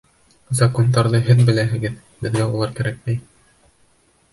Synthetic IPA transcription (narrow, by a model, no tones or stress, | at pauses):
zɐkond̪ɑɾðɤɦɘðbɘ̆læɦɘ̆ɡɘð | bɘ̆ðɡæulˠɑɾkæɾæk̚mæj